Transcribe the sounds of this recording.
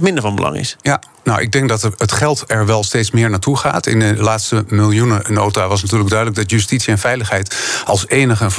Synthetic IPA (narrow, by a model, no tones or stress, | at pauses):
mɪndəɹvɑ̃nbəlʔɑ̰ŋɪ̰sja | no̰wʔɪ̰ɡ̚dɛŋk̚dɑtɦətχɛlˠtɛɹʋɛlˠstejtsmɪːɹnaːtuχa̰ːtɪ̰ndəlaːtstəmɪlˠjunənoːtaʋɑsnatyːɹləɡ̚dœɥdələɡdɑtjystitsiɛnfɛjləχɦɛjtɑlˠsejnəχə